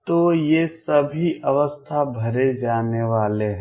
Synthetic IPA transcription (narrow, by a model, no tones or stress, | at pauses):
t̪ojesɐbʱiʔʔɐʋəst̪ʰabʱɐɾed͡ʒaːneʋaːleɦɛ̃